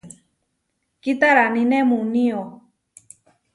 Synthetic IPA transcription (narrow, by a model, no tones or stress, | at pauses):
kit̪aɾanĩnemunio